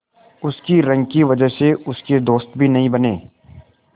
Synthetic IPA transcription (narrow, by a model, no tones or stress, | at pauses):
ʊskiɾɐ̃ŋɡkiʋɐd͡ʒəɦseʊsked̪oːst̪bʱinɐɦĩbɐneː